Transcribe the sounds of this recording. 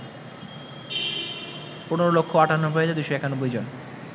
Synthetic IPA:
puneɾolokʰːoaʈanobʱoed͡ʑed̪ujʃoɛkanobːojd͡ʑon

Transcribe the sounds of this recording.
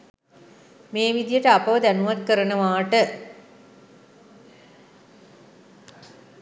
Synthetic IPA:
meːʋid̪ijəʈəapɐʋəd̪ænuʋat̪̚kəɾənəʋaːʈə

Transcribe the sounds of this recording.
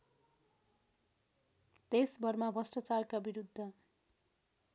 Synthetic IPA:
t̪esbʌrmabʱʌsʈʌt͡sarkabiɾud̪ʱːʌ

